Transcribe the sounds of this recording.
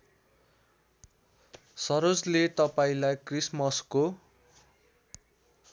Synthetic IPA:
sʌɾod͡zlet̪ʌpaĩlajkrismʌsko

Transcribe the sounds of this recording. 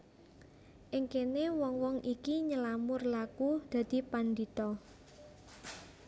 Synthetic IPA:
ʔɪŋkenewɔŋwɔŋʔikiɲəlamʊrlakud̪̥ä̤d̪̥i̤pand̪it̪ɔ

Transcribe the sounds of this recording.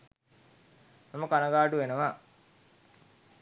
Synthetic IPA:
maməkanɐɡaːʈuʋenəʋa

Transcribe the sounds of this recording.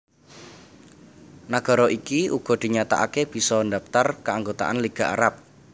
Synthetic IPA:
naɡ̥a̤ɾɔʔikiuɡ̥ɔ̤d̪̥i̤ɲat̪a̰ʔakeb̥i̤sɔnd̪apt̪arkəaŋɡot̪a̰ʔanliɡ̥a̤ʔa̰ɾap̚

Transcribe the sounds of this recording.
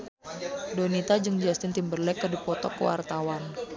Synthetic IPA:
donit̪ad͡ʒɨŋd͡ʒast̪ɪnt̪imbərlɛkːədipɔt̪ɔ̰kːə̰wa̰rt̪awan

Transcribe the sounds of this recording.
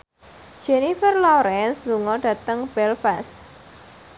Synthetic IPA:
d̥ʒ̥ɛnifərlɔɾɛnsluŋɔɖ̥ä̤t̪əŋb̥ɛlfas

